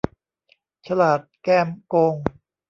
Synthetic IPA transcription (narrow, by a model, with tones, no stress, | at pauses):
t͡ɕʰa˧laː˨˩t̪̚kɛː˧mkoː˧ŋ